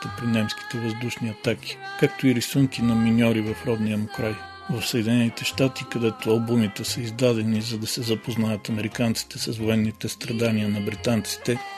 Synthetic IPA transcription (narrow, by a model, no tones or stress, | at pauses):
t̪əpɾinɛmski̥t̪ɛvɐzd̪uʃniɐt̪ak̟ʲi̥kak̚t̪oiɾisuŋkinɐminʲɔɾivɐfɾɔd̪niɐmʊkɾaj | vɐfsəɛd̪ʲinɛnit̪ɛʃt̪at̪ikɐd̪ɛt̪oɐlˠbumit̪ɛsəizd̪ad̪ɛnizɐd̪ɐsɛzɐpoznajət̪ɐmɛɾikant̪si̥t̪ɛsɐsvoɛnːit̪ɛst̪ɾɐd̪aniənɐbɾit̪ant̪si̥t̪ɛ